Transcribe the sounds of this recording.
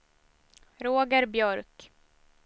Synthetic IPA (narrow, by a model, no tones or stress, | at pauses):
ɾoːɡəɾbjœɾk